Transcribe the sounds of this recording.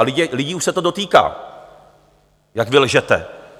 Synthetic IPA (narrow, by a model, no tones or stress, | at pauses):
lɪɟɪlɪɟiːʔuʃsɛt̪odo̞t̪iːka̰ː | jakvɪlʒɛt̪ɛ̰